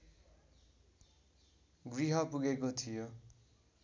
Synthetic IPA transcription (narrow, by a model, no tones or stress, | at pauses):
ɡriɦʌpuɡekot̪ʰijo